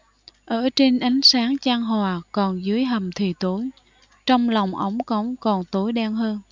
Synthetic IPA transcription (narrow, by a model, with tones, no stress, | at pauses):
ʔəː˧˩t͡ɕe˧nʔa˨˦jŋ̟saː˨˦ŋt͡ɕaː˧ŋɦwaː˨˩kɔ˨˩nzɨ˨˦əjɦə˨˩mt̪ʰi˨˩t̪o˨˦j | t͡ɕɔ˧wŋ͡mlɔ˨˩wŋ͡mʔə˨˦wŋ͡mkə˨˦wŋ͡mkɔ˨˩nt̪o˨˦jɗaː˧ŋɦəː˧n